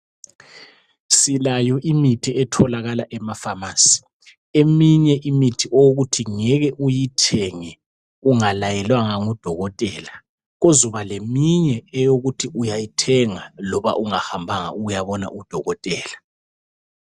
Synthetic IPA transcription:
silajɔʔimitʰiɛtʰɔlaɣalaʔɛmafamaːsi̥ | emiɲɛʔimitʰiʔooɣutʰiŋɛɣɛʔujitʰɛŋɛ | uŋalajɛlwaŋaŋud̥ʱɔɣɔtʼɛːla | ɣozuβalemiɲɛːjoɣutʰiʔujajitʰɛŋalɔβa̰ʔuŋahambʱaŋa̰uɣujaβɔna̰ʔud̥ʱɔɣɔtʼɛːla

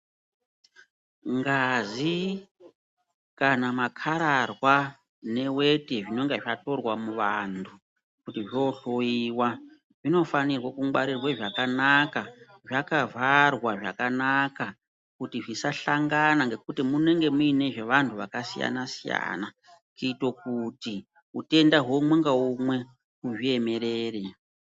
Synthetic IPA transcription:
ŋɡazi | kanamakʰaɾarwa | ne̞we̞teʐino̞ŋɡeʐato̞rwamuʋantʰu | kutiʐioɬojiːwa | ʐino̞fanirwakuŋɡwaɾirweʐakanaka | ʐakavʱarwaʐa̰kanaka | kutiʐisaɬaŋɡanaŋɡe̞kutimune̞ŋɡe̞muine̞ʐe̞ʋantʰuʋakasija̰nasija̰na | kiito̞kuti | ute̞ndaɦomweŋɡaumwe̞ | kuʐie̞me̞ɾeːre

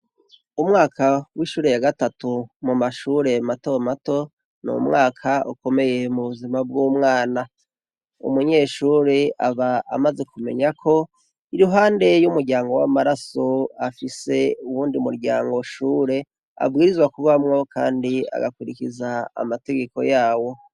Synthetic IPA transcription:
umŋaːkʰawiʃuːɾe̞jaɡatatumumaʃuːɾe̞matomato̞ | nṵmŋaːkʰaʔṵko̞me̞je̞muβuzimabɡuːmŋaːna | ṵmuɲe̞ʃuːɾeaβa̰ːmaze̞kume̞̰ɲakʰo̞ | iɾuɦaːnde̞jumuɾɟaːŋɡo̞wa̰maɾaso̞afise̞uwuːndimuɾɟa̰ːŋɡo̞ʃuːɾe̞ | a̰bɡiːɾizwakuβamŋo̞kʰa̰ːndia̰ɡakuɾikiza̰ːmate̞ɡe̞ko̞̰jaːwo̞

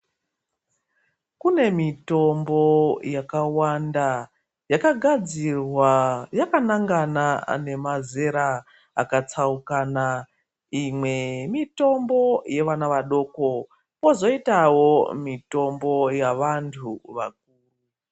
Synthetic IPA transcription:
kune̞mito̞mbo̞jakawanda | jakaɡʱad͡zirwajakanaŋɡana̰ne̞maze̞ɾa | a̰kat͡saukaːna | imwe̞mito̞mbo̞je̞ʋanaʋaɗo̞ːko̞ | po̞zo̞itawo̞mito̞mbo̞jaʋantʰuʋa̰k̚uːru

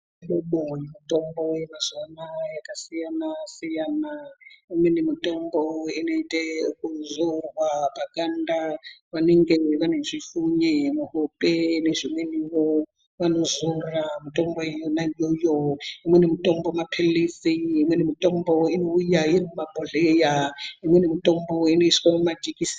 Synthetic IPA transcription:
lɔɓɔjimitʼɔmbɔjɛmaz̥anajakʼasijanasijanaimwɛnimitʼɔmbɔinɛitʼɛukʼuzɔwwabakʼandʱaβanɛŋɡɛβanezʷifuɲɛmaɦɔpʼɛnez̥ʷimweniwɔ | βanozuramutʼɔmbɔjɔnajɔjɔɦimwɛnimitʼɔmbɔmapʰeliziɦimwɛnimitʼɔmbɔinoujajenumabʱɔɮɛjaɦimwɛnimitʼɔmbɔineisi̥kɔmad͡ʒikʼisi̥

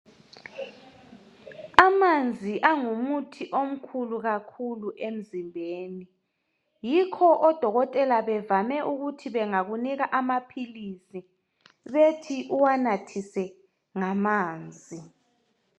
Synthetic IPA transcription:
amand͡zʱiʔaŋumutʰiʔom̩kʰuluɣakʰuluʔem̩zimbʱeːni | jikʰɔʔɔd̥ʱɔɣɔtʼɛlaβɛvamɛʔuɣutʰiβɛŋaɣuniɣaʔamapʰilisi | βetʰiʔuwanatʰisɛ | ŋamaːnd͡zʱi

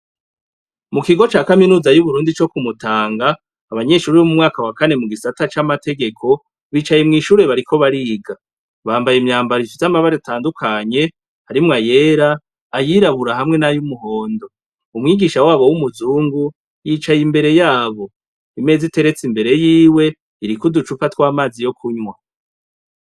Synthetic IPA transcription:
mukiɡo̞t͡ʃaːkaminuːzajuβuɾuːndit͡ʃo̞kumutaːŋɡaː | βaɲe̞ʃuːɾiβomumŋaːkawakane̞muɡisatat͡ʃamate̞ɡe̞kʰo̞ | βiːt͡ʃajemŋiːʃuːɾe̞βaɾikʰo̞βaɾiːɡa | βaːmbajemɲaːmbaɾifizamaβaɾeataːndukʰaɲe̞ | haɾimŋaje̞ːɾaː | jiɾaβuɾaɦamŋe̞najumuɦo̞ːndo̞ | umŋiːɡiʃawaːβowumuzuːŋɡu | jiːt͡ʃajimbe̞ɾe̞jaːβo̞ | ime̞ːzite̞ɾe̞t͡simbe̞ɾe̞jiːwe̞ | iɾikudut͡ʃufatwaːmaːzijo̞kʰuɲwa

